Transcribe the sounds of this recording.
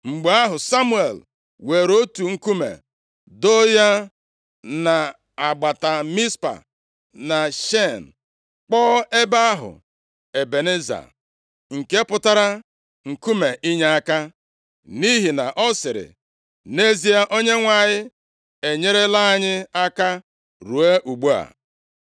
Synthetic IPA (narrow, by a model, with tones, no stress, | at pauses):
ŋ͡m̩˨ɡ͡ba˦ɦʊ˨sa˦mu˦ḛ˨l | we˨ɾo˦tu˨ŋ̩˦ku˦mḛ˨ | do˦ja˦ | na˨ | a˨ɡ͡ba˨ta˨mi˦spa̰˨ | na˨ʃe˦˨n̩˨ | k͡pɔː˦e˦ba˦a˦ɦʊ̰˨ | e˨be˨ne˦za̰˨ | ŋ̩˨ke˦pʊ˦ta˦ɾa˦ | ŋ̩˨ku˦me˨ʔi˦ɲe˦a˦ka˦ | ni˦ɦi˨na̰˨ʔɔ˦sɪ˨ɾɪ̰˨ | ne˦zi˦a˦ʔo˦ɲe˦ŋʷa˨ɲɪ˦ | e˨ɲe˦ɾe˦la˦˨ɲɪ˦a˦ka˦ | ɾu˨e˦ʔu˨ɡ͡bu˦a̰˨